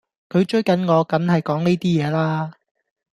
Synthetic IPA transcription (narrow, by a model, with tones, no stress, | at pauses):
kʰɵ˨˧ɥt͡ʃɵ˥ɥkɐ˨˥nŋɔː˨˧kɐ˨˥nɦɐ˨jkɔː˨˥ŋne˥t̪iː˥jɛː˨˧laː˥